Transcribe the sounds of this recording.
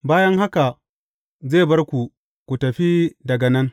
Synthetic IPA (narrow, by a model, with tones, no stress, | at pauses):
baː˦jɐ˦ŋɦa˦ka˨ | zeː˦˨bɐ˦rkʷu˨ | kʷu˨tɐ˨ɸi˦dɐ˨ɡɐ˨nɐ˦n